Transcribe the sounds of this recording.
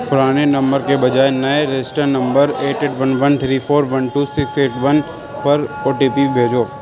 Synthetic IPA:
pʊɾaːnenɐ̃mbəɾkebɐd͡ʒaːenɐeɾesʈəɾnɐ̃mbəɾeːʈeːʈʋɐnʋɐnt̪ʰɾiːfʰoːɾʋɐnʈuːsɪkseːʈʋɐn | pɐɾoːʈipibʱeːd͡ʒoː

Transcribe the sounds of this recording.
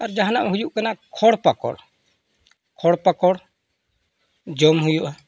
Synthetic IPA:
aɾd͡ʒaɦnaʔmɛɦujuʔkanakʰɔɽpakɔ̰ɽ | kʰɔɽpakɔɽ | d͡ʒɔmɦujuʔ

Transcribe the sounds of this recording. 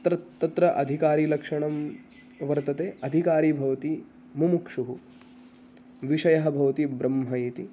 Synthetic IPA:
t̪ɾɐt̪ːɐt̪ɾɐʔɐd̪ʱikaːɾiːlɐkʂɐɳɐm | ʋɐɾt̪ɐt̪eːɐd̪ʱikaːɾiːbʱɐʋɐt̪i | mumukʂuɦu | ʋiʂɐjɐɦɐ̆bʱɐʋɐt̪ibɾɐmɦɐiːt̪i

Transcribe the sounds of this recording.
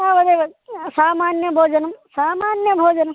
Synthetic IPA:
aːʋɐd̪eːʋɐsaːmaːnjɐbʱoːd͡ʒɐnɐmsaːmaːnjɐbʱoːd͡ʒɐnɐm

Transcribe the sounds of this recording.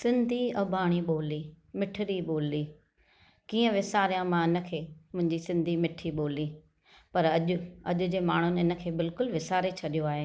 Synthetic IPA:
sɪ̃nd̪ʱiɐbʱaːɽ̃iɓoːliː | mɪʈʰɪɾiɓoːliː | kiːə̃ʋɪsaːɾijãmãɪnə̆kʰeːmʊ̃ɦɪ̃ɲd͡ʑisɪ̃nd̪ʱimɪʈʰiɓoːliː | pɐɾɐʄʊɐ̰ʄʊ̆d͡ʑeːmaːɳ̤ʊnɪɪnə̆kʰeːbɪlkʊlʋɪsaːɾet͡ɕʰɐɗijoaːɦeː

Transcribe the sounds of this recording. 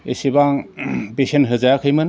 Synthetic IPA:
esibaŋbesenɦɯzajakʰɯjmɯn

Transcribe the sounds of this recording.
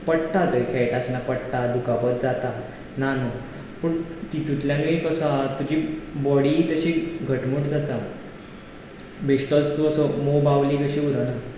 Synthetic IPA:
pəɽʈat̪əjkʰɛʈasnapəɽʈad̪ukapət̪̚d͡zat̪a | nano | pəɳt̪it̪ut̪ljaniekəsat̪ud͡ʑiːbɔɽiːt̪əɕeɡʱəʈmuʈd͡zat̪a | beɕʈ̪ət͡st̪uəsəmobaʋliːkəɕiuɾəna

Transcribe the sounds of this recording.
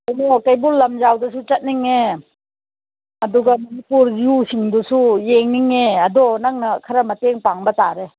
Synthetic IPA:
anɔkɐjbulɐmd͡ʒawdɐsut͡ʃɐt̚niŋe | ɐduɡɐmɐnipuɾziusiŋdusujeŋniŋeɐdɔnaŋnɐkʰɐɾɐmɐteŋpaŋbɐtaɾe

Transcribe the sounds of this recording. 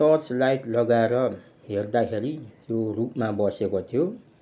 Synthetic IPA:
sʌrslajʈlʌɡaeɾʌ | ɦerd̪akʰeɾit̪jorupmabʌsekot̪ʰijo

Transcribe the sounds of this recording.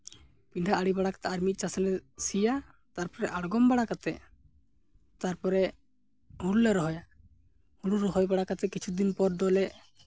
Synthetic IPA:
piɳɖʱaʔaɽibaɽakḁt̪ʰaːɾmit̪̚ˀt͡ʃasɛlɛsija | t̪aɾpɔɾɛʔaɽɡɔmbaɽakat̪ɛʔ | t̪aɾpɔɾɛ | huɽulɛɾɔɦɔja | huɽuɾɔɦɔjbaɽakat̪ɛkit͡ʃʰud̪inpɔɾd̪ɔlɛʔ

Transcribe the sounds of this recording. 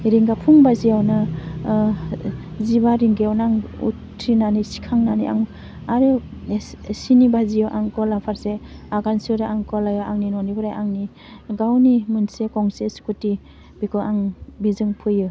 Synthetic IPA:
ɾiŋɡapʰuŋbazijawnɯ | zibaɾiŋɡijawnaŋṵtʰɾinanisi̥kʰaŋnaniʔa̰ŋ | aɾɯ | sinibazijɔʔaŋkɔlapʰaɾseaɡansɯɾaʔaŋkɔlajɔaŋninɔnibɯɾajʔaŋni | ɡawnimunsekɔŋsesu̥kuti | b̥ikʰɯʔaŋbizɯŋpʰɯjɯ

